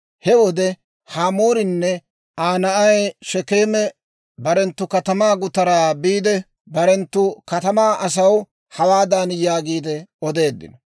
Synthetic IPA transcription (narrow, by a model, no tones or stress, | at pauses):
hɛwɔd̪ɛ | haːmoːɾɪnːɛ | aːnɐʔɐjʃɛkeːmɛ | bɐɾɛnt̪ːʊkɐt̪ɐmaːɡʊt̪ɐɾaːbiːd̪ɛ | bɐɾɛnt̪ːʊkɐt̪ɐmaːʔɐs̬ɐw | hɐwaːd̪aːnjaːɡiːd̪ɛɔd̪e̞ːd̪ːɪ̰nɔ